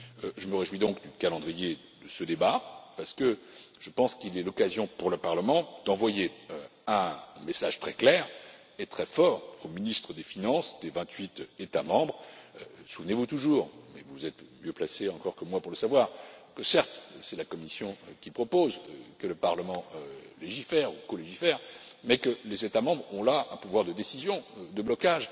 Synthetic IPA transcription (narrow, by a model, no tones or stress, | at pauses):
ʒəməʁeʒwid̪ɔ̃kd̪ykalɑ̃d̪ʁije | d̪̥əsəd̪ebapaʁsə̥kəʒ̥əpɑ̃skilɛlɔkazjɔ̃puʁləpaʁləmɑ̃d̪̥ɑ̃vwajeøɛ̃mesaʒt̪χɛklɛʁ | et̪χɛfɔːʁominist̪χəd̪efinɑ̃sd̪evɛ̃t̪ɥit̪et̪amɑ̃bʁsuvnevut̪uʒuːʁmɛ̰vuzɛt̪mjøplaseɑ̃kɔʁkəmwapuʁləsavwaʁkəsɛʁt̪sɛlakɔmisjɔ̃kʲipχɔpozkələpaʁləmɑ̃leʒifɛʁukɔleʒifɛʁmɛkəlezet̪amɑ̃bʁɔ̃laɛ̃puvwaʁd̪əd̪esizjɔ̃d̪əblɔkaʒ